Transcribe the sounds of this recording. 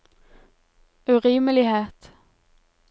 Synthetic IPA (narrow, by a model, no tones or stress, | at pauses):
ʉʁiːməlɪheːt̪